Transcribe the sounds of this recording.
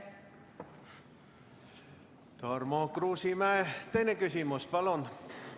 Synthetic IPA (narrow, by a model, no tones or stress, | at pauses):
t̪ɑrmokɾuːsimæet̪enekysimospɑlon